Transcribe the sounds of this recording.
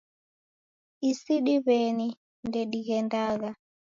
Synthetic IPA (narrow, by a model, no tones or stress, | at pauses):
isiɗiβɛni | ndɛɗiɣɛndaɣa